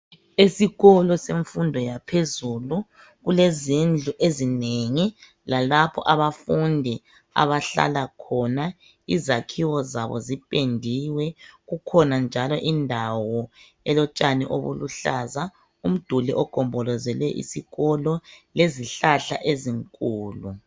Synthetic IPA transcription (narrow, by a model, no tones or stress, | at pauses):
esiɣɔlɔseɱfundʱɔjapʰezulu | ɣulezind͡ɮʱuʔezineŋi | lalapʰɔʔaβafundʱɛ | a̰βaɬa̰lakʰɔna | izakʰiwɔzaβɔ̰zipʼendʱiwɛɣukʰɔnand͡ʒʱalɔʔindʱawɔ | ɛlɔt͡ʃʼaniʔo̰βṵlṵɬaza | um̩d̥ʱulḭʔɔɡ̥ʱɔmbʱɔlɔzɛlɛʔḭsiɣɔlɔleziɬaɬa̰ʔeziŋkʼuːlu